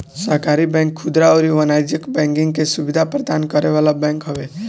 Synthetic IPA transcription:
səɦkaɾibɛ̃ŋkʰːud̪ɾaoɾiʋənajd͡ʒəkbɛ̃ŋkɪ̃ŋɡkesubid̪ʱapɾəd̪ankəɾeʋalabɛ̃ŋkɦɔʋe

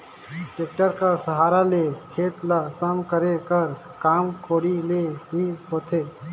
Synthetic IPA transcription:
ʈeːk̚ʈəɾkasəɦaːɾalekʰeːt̪ləsəmkəɾekəɾ | kaːmkoːɽileɦiɦoːt̪ʰeː

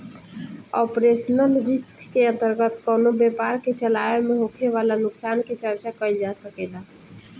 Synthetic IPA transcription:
ɔpɾesənəlɾiskːeənt̪əɾɡət̪kənobepaɾket͡ʃəlaemeɦokʰeʋalanʊksanket͡ʃəɾt͡ʃakəild͡ʒasəkela

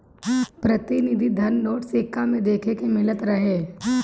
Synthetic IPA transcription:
pɾɐt̪ɪnɪd̪ʱid̪ʱɐnːoːʈsɪkːamẽd̪eːkʰekemɪlət̪ɾɐɦeː

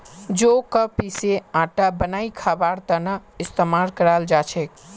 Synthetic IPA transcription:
d͡ʒokəpiseãʈabənaikʰabaɽt̪ənəɪst̪əmalkəɾald͡ʒat͡ʃʰek

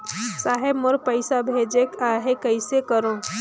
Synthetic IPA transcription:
saːɦebmoɾpəɪsabʱeːd͡ʒekaːɦekəɪsekəɾõ

